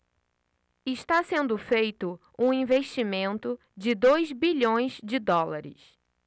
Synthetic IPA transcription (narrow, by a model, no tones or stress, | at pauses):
ɪʃt̪asẽnd̪ʊfejt̪ʊ | ũĩveʃt͡ʃimẽnt̪ʊ | d͡ʒɪd̪ojzbiʎõj̃zd͡ʒɪd̪ɔlaɾɪ̰s